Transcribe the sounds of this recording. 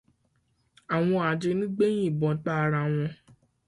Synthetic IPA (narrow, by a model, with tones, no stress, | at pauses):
a˨w̃ɔ̃˧a˨d͡ʒe˧nĩ˦ɡ͡be˦j̃ĩ˦˨bɔ̃˨˧˦ta˦˧ɾa˧w̃ɔ̃˧